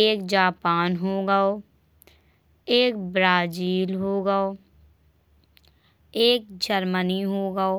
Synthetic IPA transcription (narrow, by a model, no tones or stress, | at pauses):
eːkd͡ʒaːpaːnɦoːɡaoː | eːkbɾaːd͡ʒiːlɦoːɡaoː | eːk̚d͡ʒəɾməniɦoːɡaoː